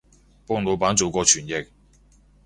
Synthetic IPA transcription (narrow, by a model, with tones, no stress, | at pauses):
pɔː˥ŋlo˨˧wpaː˨˥nt͡so˨wkɔː˧t͡ʃʰyː˨˩njɪ˨k̚